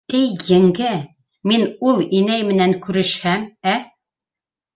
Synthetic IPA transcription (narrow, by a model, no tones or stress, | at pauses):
ɘjːɘ̆ŋɡɘ | minulˠinæjmɘ̆næŋkʉɾɘ̆ʃhæmæ